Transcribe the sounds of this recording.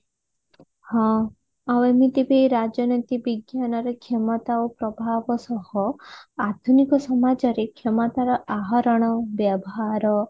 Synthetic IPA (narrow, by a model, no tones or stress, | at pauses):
hɔ̃ | awemit̪ibiɾad͡ʒjɔnɔt̪ibiɡjanɔɾekʰemɔt̪aopɾɔbʱabɔsɔhɔad̪ʱunikɔsɔmad͡ʒɔɾekʰemɔt̪aɾɔʔaɦɔɾɔɽ̃ɔbjabɔɦaɾɔ